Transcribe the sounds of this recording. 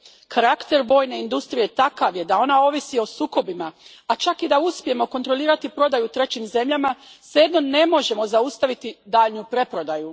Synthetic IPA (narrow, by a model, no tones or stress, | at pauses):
kʰaɾakt̪e̞ɾʋo̞jne̞ind̪ust̪ɾijet̪akaʋje̞d̪ao̞nao̞ʋisio̞suːko̞bima | at͡ʃakid̪auspije̞mo̞ko̞nt̪ɾo̞liːɾat̪ipɾo̞d̪ajut̪ɾe̞t͡ɕimze̞mʎamasejed̪no̞ne̞mo̞ʒe̞mo̞zaust̪aʋit̪id̪aːʎnupɾe̞pɾo̞d̪aju